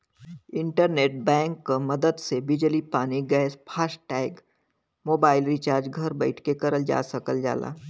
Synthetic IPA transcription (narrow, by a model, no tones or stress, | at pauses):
ɪ̃ɳʈəɾneːʈ̚bɛ̃ːŋkːomɐd̪əd̪sebɪd͡ʒlipaːniɡɛːspʰaːsʈʈɛːɪɡ | moːbaːɪlɾɪt͡ʃaːɾd͡ʒɡʱɐɾbəɪʈʰkekɐɾəld͡ʒa̰ːsəkəld͡ʒa̰ːla̰ː